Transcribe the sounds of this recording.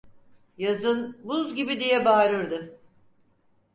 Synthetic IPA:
jazɯnbuzɟibid̪ijɛbaːɾɯɾd̪ɯ

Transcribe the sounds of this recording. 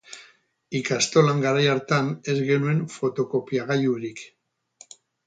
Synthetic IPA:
ikast̪o̞laŋɡaɾajaɾt̪ane̞zɡe̞nue̞ɱfo̞t̪o̞ko̞piaɣajuɾik

